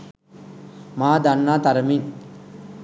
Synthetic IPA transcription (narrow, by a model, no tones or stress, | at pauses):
maːd̪ɐnːaːt̪ɐɾɐmiŋ